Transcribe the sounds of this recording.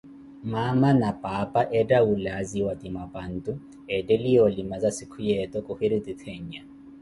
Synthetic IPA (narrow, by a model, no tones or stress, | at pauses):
mamanapʼapʼaʔɛdaulaziwatimapʼan̩tʼʊ | ɛdɛlijɔlimazasɪkʰujɛtʼɔkʼʊhɪɾitit̪ʰeɲ̩ɲa